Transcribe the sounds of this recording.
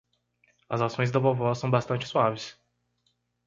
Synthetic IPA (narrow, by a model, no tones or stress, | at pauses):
ɐzasõj̃zd̪ɐbovɔsɐ̃w̃bast̪ɐ̃nt͡ʃɪ̥suavɪs